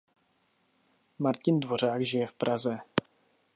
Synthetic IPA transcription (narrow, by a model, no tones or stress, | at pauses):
maɾcɪndvo̞r̝aːkʒɪjɛfpɾʔazɛ